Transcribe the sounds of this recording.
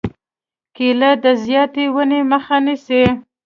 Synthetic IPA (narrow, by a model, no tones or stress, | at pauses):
kelad̪əzjɑt̪ewəneməxanisi